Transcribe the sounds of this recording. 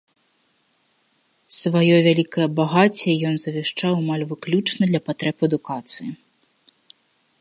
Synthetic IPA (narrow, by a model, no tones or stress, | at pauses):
svajɔvʲalʲikɐjɐbaɣat͡sʲɛjɔnzɐvʲɛʂt͡ʂawmalʲvɨklʲut͡ʂnɐd̪lʲɐpat̪ɾɛpɐd̪ukat̪sɨji